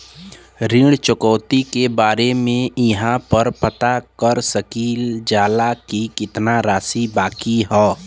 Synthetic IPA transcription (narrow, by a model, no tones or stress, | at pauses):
ɾɪ̃ɽt͡ʃʊkɔːt̪ikebaːɾemẽɪɦãpəɾpət̪akəɾsəkiːld͡ʒaːlakikɪt̪naɾaːsibaːkiɦɛː